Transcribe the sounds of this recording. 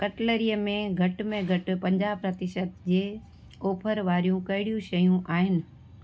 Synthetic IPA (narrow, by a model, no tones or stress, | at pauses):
kɐʈləɾijəmẽɡʱɐʈmẽɡʱɐʈʊ̆pɐ̃ɲd͡ʑaːbpɾɐt̪ɪʃət̪d͡ʑeː | oːpʰəɾʋaːɾijũkɐɦɪɽijũʃɐjũʔaːɦɪnɪ̆